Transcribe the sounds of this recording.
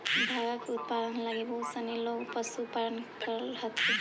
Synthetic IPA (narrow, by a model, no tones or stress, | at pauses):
bʱaɡakut̪̚pad̪ɔnlaɡibɔsanilɔpasupaɹɔnkaɹɔhat̪ʰi